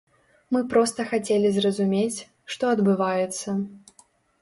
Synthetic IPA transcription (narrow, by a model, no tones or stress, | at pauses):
mɨpɾɔst̪ɐxat͡sʲelʲizrɐzumʲet͡sʲ | ʂt̪ɔɐd̪bɨvajɛt̪sːɐ